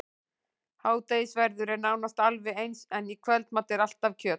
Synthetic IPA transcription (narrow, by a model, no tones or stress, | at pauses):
haːwt̪ejɪsvɛɾðʏɾɛɾnaːwnast̪alvɛejnsɛnikʰvɛlt̪maːt̪ɪɾal̥t̪avcʰœːt̪